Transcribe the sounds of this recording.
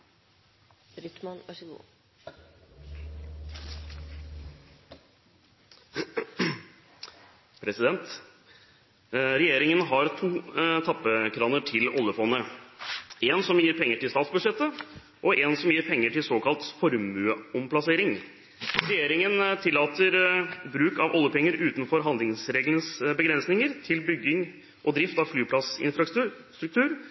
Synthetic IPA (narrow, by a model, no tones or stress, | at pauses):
ɾʏt̪mɑnʋɑʂəɡṵː | pʰɾɛsɪd̪ɛnt̪ | ɾɛjeːɾɪŋənɦɑɾt̪ʰuːt̪ʰɑpːəkʰɾɑːnəʈʰɪlɔlːəfɔnːə | eːnsɔmjiːɾpʰɛŋːəʈʰɪlst̪ɑːt̪sbʉʂɛt̪ːə | ʔɔʔeːnsɔmjiːɾpʰɛŋːəʈɪlsoːkʰɑlt̪fɔɾmʉəɔmpʰlɑseːɾɪŋ | ɾɛjeːɾɪŋənt̪ʰɪlːɑːt̪əɾbɾʉːkɑʋʔɔlːəpɛŋːəɾʉːt̪nfɔɾɦɑnd̪lɪŋsɾeːɡlənəsbəɡɾɛnsnɪŋəɾt̪ʰɪlbʏɡːɪŋ | ʔɔd̪ɾɪft̪ɑʋflyːpʰlɑsɪ̰nfɾɑ | st̪ɾʉk̚t̪ʰʉːɾ